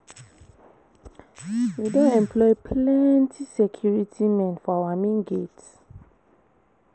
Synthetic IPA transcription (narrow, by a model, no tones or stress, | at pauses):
widõnɛ̃mplɔɪpʰlɛntʰisɛkʰjuɹitʰimɛ̃nfɔawamĩnɡets